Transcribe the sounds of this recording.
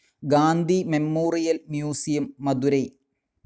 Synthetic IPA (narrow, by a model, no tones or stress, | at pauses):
ɡaːnd̪ʱimemːoːrijɐlmjuːsijɐmːɐd̪uɾɐj